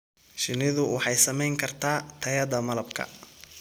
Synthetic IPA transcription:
ʃɪnɪðʊwɑħɑjsɐmɛjŋkʰɐrt̪ʰaːt̪ʰɐjɐd̪ɐmɐlɐbkʰɐ̰

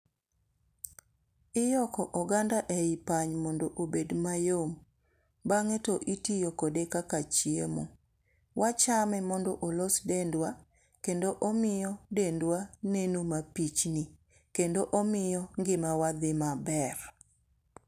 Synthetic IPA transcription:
ɪjɔkɔʔɔɡandaʔɛɪpaɲmɔndoʔobedmajom | baŋɛtɔʔitijokodekakat͡ʃiemo̰ | wʔat͡ʃamɛmɔndɔʔolosdendwa | kendoʔɔmɪjɔdendwanenomapit͡ʃni | kendoʔomɪjɔŋɡɪmawad̪ɪmabɛr

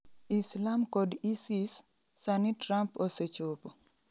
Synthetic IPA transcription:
islamkɔdisisː | anitɾamposet͡ʃopo

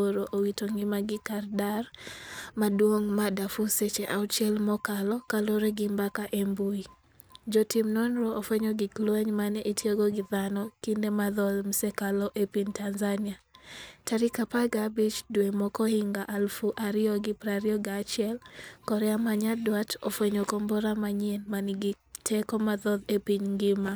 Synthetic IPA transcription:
oɾoʔowitoŋimaɡɪkardarmadwoŋmadafuset͡ʃeʔaut͡ʃɛlmɔkalɔkaloɾeɡɪmbakaʔembui | d͡ʒɔtimnɔnɾoːfɛɲɔɡɪklwɛɲmanɛʔitjɔɡɔɡɪðanɔkindemaðɔðm̩sɛkalɔʔepiɲtanzaniataɾikapaɡabit͡ʃdwemɔkɔhiŋɡaʔalfuʔaɾɪɔɡɪpɾaɾɪɔɡat͡ʃjɛlkɔɾɛamaɲadwatɔfwɛɲokombɔɾamaɲenmaniɡɪ | tʰɛkɔmaðɔðepiɲŋɡɪma

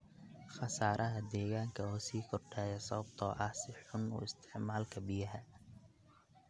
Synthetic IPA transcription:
χɑsaːɾʔɐɦɐd̪ɛːɣaːŋkʰɐuːsiːkʰɔrɖɛːjɛsɔɐb̚t̪ʰɔːʔɐhsɪħʊnṵːɪst̪ʰɪʕmaːlkʰɐbɪjɐɦɐ

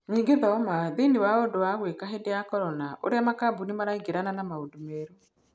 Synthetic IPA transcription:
ɲiːŋɡeðɔmaðenewaodowaɣwekaɦedeakɔɾɔnaʔo̰ɾeamakabunimaɾaiɡeɾananamaodumeɾo

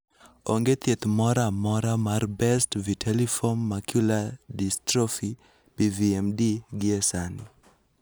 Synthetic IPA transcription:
oŋɡet̪jet̪mɔɾamɔɾamarbɛstvitʰelifonːakjuladistɾofi | biviɛmdiɡiesani

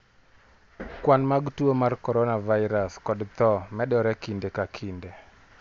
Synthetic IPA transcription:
kwanmaɡtuomarkɔɾɔnavaɪɾaskɔdt̪ɔmɛɗɔɾɛkindekakʰinde

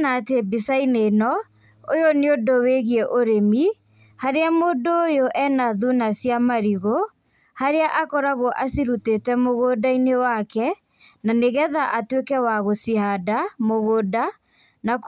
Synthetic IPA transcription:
natebisainenɔ | ojoneodoweɣiɛʔoɾemi | haɾeamoːdoːjoʔɛnaðunasijamaɾiɣo | haɾeaʔakɔɾaɣoʔasiɾutetɛmoɣodainewakɛ | naneɣɛðaʔatwekɛwaɣosiɦadamoɣoːda | nak

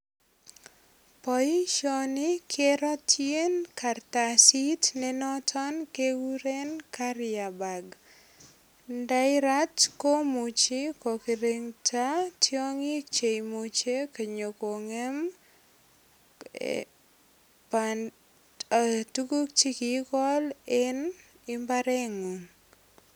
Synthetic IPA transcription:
pɔiʃɔnɪkʰeɾɔtʰjenkartasitnɛnɔtʰɔnkewuɾenkaɾjabaɡ | daɪɾatkomut͡ʃikokiɾeŋtʰatjɔŋik̚t͡ʃejmut͡ʃekeɲokoŋem | pa | tukuk̚t͡ʃikikɔlɛn | ɪmbaɾɛŋun

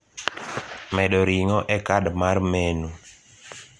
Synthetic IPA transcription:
mɛɗɔɾiŋɔʔɛkadmarmɛnu

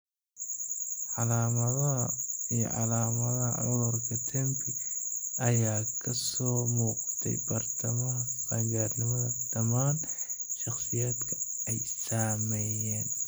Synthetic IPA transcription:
ʕɑlaːmɐðɐɦɐijɔ̰ʕɑ̰laːmɐðɐhɐ̰ʕʊlʊrkʰɐt̪ʰɛmpʰɪɐjaːkʰɐsɔːmuːq̚t̪ʰɛ̰jbɐrt̪ʰɐmɐɦɐbaːŋɡaːrnɪmɐðɐd̪̥ɐmaːnʃɑχsɪjaːd̪kʰɐ̥ɛjsaːmɛjaːn

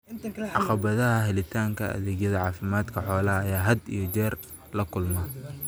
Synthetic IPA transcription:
ʕɑqɑβɐðɐɦɐɦɛlɪt̪ʰaːŋkʰɐɐ̰ðɛːɡjɐðɐʕɑːfɪmaːd̪kʰɐħɔːlɐɐjaːɦɐd̪ijɞt͡ʃɛːr | lɐkʰʊlmɐ

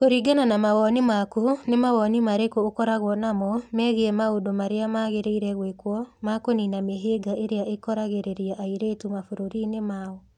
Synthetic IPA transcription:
koɾiɡananamaɣɔnimakunemawɔnimaɾekoːkɔɾaɣwɔnamɔmɛːɣeɛmaodomaɾeamaɣeɾeiɾɛɣwekwɔmakoninameɦeːɡaʔeɾeaʔekɔɾaɣeɾeɾiaʔaiɾetumafoɾoɾinemaɔ

